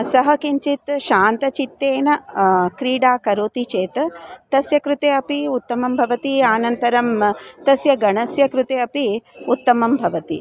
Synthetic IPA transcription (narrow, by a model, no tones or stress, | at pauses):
sɐɦɐkiɲt͡ʃit̪ʃaːnt̪ɐt͡ʃit̪ːeːnɐkɾiːɽaːkɐɾoːt̪it͡ʃeːt̪ɐt̪ɐsjɐkɾut̪eːɐpiut̪ːɐmɐmbʱɐʋɐt̪iaːnɐnt̪ɐɾɐmt̪ɐsjɐɡɐɳɐsjɐkɾut̪eːɐpiut̪ːɐmɐmbʱɐʋɐt̪ḭ